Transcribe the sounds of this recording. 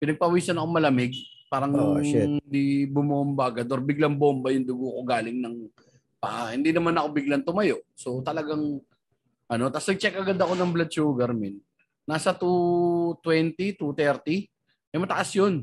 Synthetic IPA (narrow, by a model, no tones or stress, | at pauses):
pɪnɐɡ̚pɐwiːsɐnɐkoŋmɐlɐmɪɡ̚paːɾɐŋɪnd̪ibʊmombaɡad̪oɾbɪɡlaŋbombɐjʊŋd̪ʊɡokoɡaːlɪŋnɐŋ | paʔahɪnd̪inɐmanɐko̞bɪɡlɐnt̪ʊmɐjo̞ʔso̞t̪ɐlɐɡaŋ | ʔɐno̞t̪asnɐɡ̚t͡ʃɛkʔɐɡad̪ɐko̞nɐŋblɐd̪̚t͡ʃuːɡɐɾmɪnː | aːsɐt̪ut̪wɛnt̪it̪ut̪ɛɾt̪i | ʔɐjmɐt̪ɐʔasjon